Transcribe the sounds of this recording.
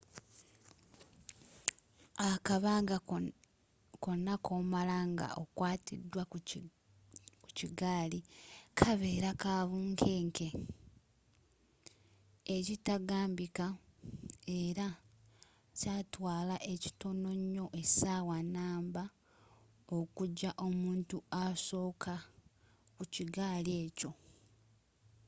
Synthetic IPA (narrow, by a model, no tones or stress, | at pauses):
akaβaːŋɡa | ko̞nakoːmalaŋɡa̰ʔokwaːtḭdːwa | kuciɡaːlikʰaβe̞ːɾakaːβuːŋkʰe̞ːŋkʰe̞ | ecitaɡaːmbika | e̞ɾa | caːtwaːlaʔe̞ci̥to̞no̞ɲːo̞ʔe̞saːwanaːmba | o̞kuɟaʔo̞muːntuaso̞ːkʰa | kuciɡaːlie̞ːco̞